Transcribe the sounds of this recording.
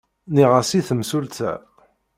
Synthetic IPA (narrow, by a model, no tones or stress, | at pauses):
niʁasiθəmsult̪æ̰